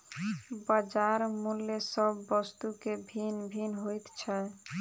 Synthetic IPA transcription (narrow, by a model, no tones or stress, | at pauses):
bad͡ʒaɾmulːesɔbːɔst̪ukebʱinbʱinɦojt̪t͡ɕʰae